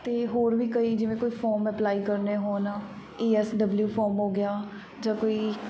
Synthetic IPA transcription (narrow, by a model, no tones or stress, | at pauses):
t̪eːɦoːɾʋiːkəiːd͡ʒɪʋẽːkoːiːpʰɔːɾmɛplaːiːkəɾneːɦoːnaː | iːɛːsɖəbljuːpʰɔːɾmɦoːɡɪjaː | d͡ʒãːkoːiː